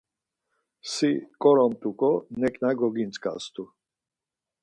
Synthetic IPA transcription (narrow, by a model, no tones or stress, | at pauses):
sikʼɔɾɔnt̪ʼukʼɔnɛkʼnaɡɔɡint͡s̪ʼkʼa̰st̪ʰʼu